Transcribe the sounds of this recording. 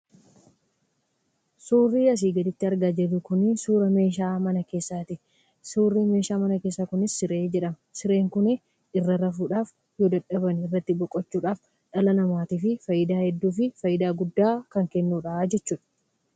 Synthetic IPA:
suːrːiːɐs̬iːɡɐlɪt̪ːɪɐɾɡaːd͡ʒɛrːʊkʊnɪsuːɾɐme̞ːʃ̬aːmɐnɐke̞ːsːaːt̪ɪ | suːrːiːme̞ːʃaːmɐnɐke̞ːsːakʊnɪsːɪɾe̞ːd͡ʒɛᶑɐm | sɪɾe̞ːŋkʊnɪ | ɪrːɐɾɐfuːᶑaːf | joːd̪ɐᶑɐbɐnɪrːɐt̪ːɪbɔkʼːɔt͡ʃːuːᶑaːf | ᶑɐlɐnɐmaːt̪iːfɪfɐjɪd̪aːhɛd̪ːuːfɪfɐjːɪd̪aːɡʊd̪ːaːkɐŋkɛnːuːᶑaːd͡ʒɛt͡ʃːuːᶑɐ̥

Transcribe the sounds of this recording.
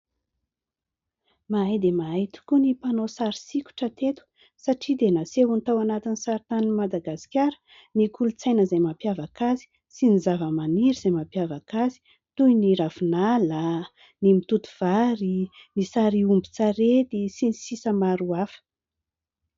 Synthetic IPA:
maajd̪emait̪u̥kunipanosaɾisikʲu̥ʈ͡ʂət̪et̪u̥ | saʈ͡ʂid̪enasewunit̪awanat̪inisaɾit̪animad̪aɡasi̥kʲaɾə̥ | nikulut͡sajnəzajmapjavakazi̥ | sinizavəmaniɾiz̥ajmapjavakazi̥ | t̪ujniɾafinala | nimit̪ut̪uv̥aɾinisaɾiumbit͡saɾet̪isinisisəmaɾuafə̥

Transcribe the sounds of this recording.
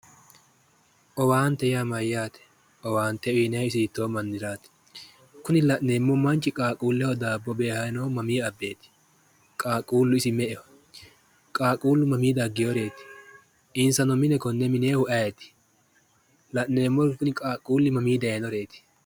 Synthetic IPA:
ʔɔwaːnt̪ːɛjamɐjːaːt̪ɛ̥ | ʔɔwaːnt̪ːɛiːnɛɪsɪɪt̪ːoːmɐnːɪɾaːt̪ɛ̥ | kʊnɪlɐʔneːmːɔmɐnt͡ʃːɪkʼaːkʼuːlːɛhɔd̪aːbːɔbe̞ːhɐnɔmɐmiːɐbːe̞ːt̪ɪ̥ | kʼaːkʼuːlːʊɪsɪmɛʔɛwɐ | kʼaːkʼuːlːʊmɐmiːd̪ɐɡːɪjɔɾe̞ːt̪ɪ̥ | ʔɪnsɐnɔmɪnɛkɔnːɛmɪneːhʊʔɐjet̪ɪ̥ | lɐʔnːe̞ːmːɔkʊnɪkʼaːkʼuːlːɪmɐmiːd̪ɐenɔɾe̞ːt̪ɪ̥

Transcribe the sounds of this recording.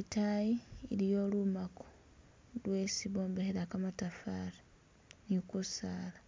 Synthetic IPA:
itajiilijo̞ːlumako̥ | lwe̞siβo̞ːmbeheɾakamatafaːɾa | njokusaːla

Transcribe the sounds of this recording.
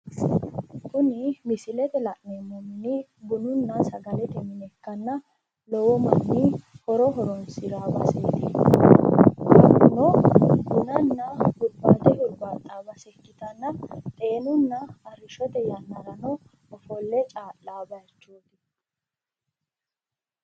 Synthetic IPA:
kʊnɪmɪsɪlɛt̪ɛlɐʔnemːɔmɪnibʊnʊnːɐsɐɡɐlɛt̪ɛmɪnɛkːɐnːɐ | lɔwɔmɐmːiːhɔɾɔɦɔɾɔnsɪɾaːbɐ̰seːt̪i | nɔɡʊnɐnːɐhʊɾbaːt̪ɛhʊlbaːt̪ʼːaːbɐsɛkːɪt̪ɐnːɐt̪ʼe̞ːnʊnːɐːɾɪʃɔt̪ɛjɐnːɐɾɐnɔ | ɔfɔlːɛt͡ʃʼaːlːaːbɐjt͡ʃːuːt̪ɪ̥

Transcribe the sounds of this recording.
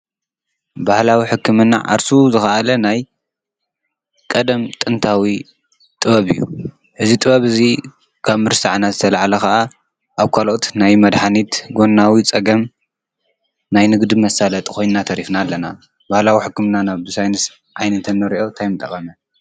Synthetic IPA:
bahlawiħɨkʰːɨmɨnːa̰ʕa̰ɾsuzɨxɐʔalɐnaj | kʼɐd̪ɐmt̪ʼɨnt̪ʰawi | t̪ʼɨβɐβɨjːṵ | ʔɨzit̪ʼɨβɐβɨzi | kʰaβmɨɾsaʕnazɨt̪ʰɐlaʕalɐxaʔa | ʔaβkʰalot̪najmɐd̪ħanit̪ɡo̞nːawit͡sʼɐɡɐm | najnɨɡd̪ɨmɐsalɐt̪ʼkʰo̞jnnat̪ʰɐɾifnalːɐna | b̥ahlawiħɨkːɨmɨnanabɨsajnɨs | ʕajnɐt̪ʰɨnːɐɾiʔo̞t̪ʰajmɨt̪ʼːɐkʼɐmɐ

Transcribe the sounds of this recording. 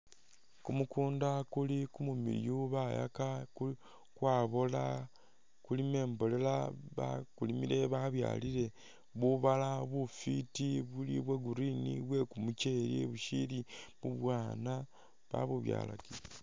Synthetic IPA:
kumukuːndakulikumumḭɾjuβaja̰kaku | kwaːβola̰ | kulime̞ːmbo̞le̞laβakulimiɾe̞βaβja̰ːliɾe̞ | βuβalaβufitiβuliβweɡuɾinḭβwe̞kumuceɾiβuʃiliβuβwaːna | βa̰βuβja̰ːla̰ki

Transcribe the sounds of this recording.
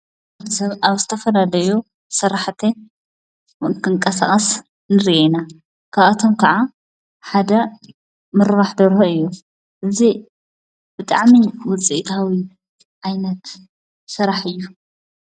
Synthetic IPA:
aaβzɨt̪ʰɐfɐlalɐju | sɐɾaħt̪ʰe | kʰɨŋkʼɐsaχʼɐs | nɨɾiʔena | kʰaβat̪ʰomkʰɐʕa | ħad̪ɐ | mɨɾβaħd̪ɐɾɦoɨjːu | ʔɨzi | b̥ɨt̪ʼa̰ʕmiwɔt͡sʼiʔt̪ʰawi | ʔajnɐt̪ | sɨɾaħɨjːu

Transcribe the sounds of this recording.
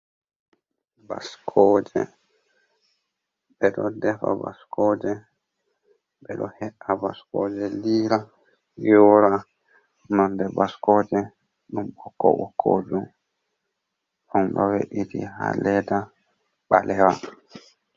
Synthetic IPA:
ba̰skʰɔːd͡ʒɛ̰ | ɓɛɗɔdɛfa̰ba̰skʰɔːd͡ʒɛ | ɓɛɗɔhɛʔabaskɔːd͡ʒɛliːɾa | jɔɾa | nɔndɛbaskɔd͡ʒɛ | ɗumɓɔkːɔɓɔkʰːo̰ːd͡ʒum | ɗɔnɗɔwɛ̰ʔitḭha̰lɛda | ɓalɛwa

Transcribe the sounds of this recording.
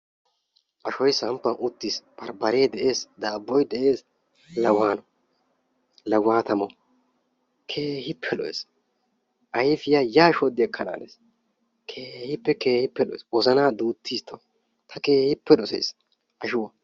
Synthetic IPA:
ʔɐʃɔjsɐmpːɐnʔʊt̪ːiːsb̥ɐɾbɐɾeːd̪ɛʔe̞ːsd̪aːbːɔjd̪ɛʔe̞ːs | lɐɡwaːnɔ | lɐɡwaːt̪ɐmɔ | kʰe̞ːɦɪpʰːɛlɔ̰ʔḛːs | ʔɐjfɪjaːjaːʃɔd̪ːɪɐkʰːɐna̰ːneːs | kʰeːhɪpːɛke̞ːhɪpːɛlɔ̰ʔḛːswɔzɐnaːd̪uːt̪ʰːiːst̪ʰɐ | t̪ʰɐke̞ːhɪpːɛɗɔsɛ̰js | ʔɐʃʊwɐ

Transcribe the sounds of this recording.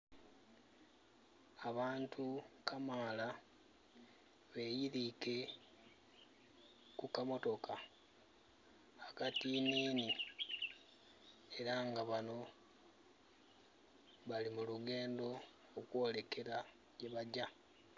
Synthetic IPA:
aβaːntʰukʰamaːla | βe̞ːjiɾike̞ | kukamo̞to̞ka | akatiniːni | eɾaŋɡaβano̞ | βalimuluɡe̞ːndo̞ː | kwo̞ːle̞kʰe̞ɾa | ɟe̞βaɟa

